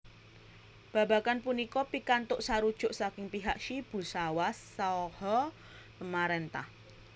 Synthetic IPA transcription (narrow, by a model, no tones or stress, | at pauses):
b̥ä̤bakanpunikɔpikant̪ʊʔsaɾud̥ʒ̥ʊ̤ʔsakɪŋpiɦak̚ʃib̥ṳsawasːaɔhɔ | t̪əmaɾent̪a̰h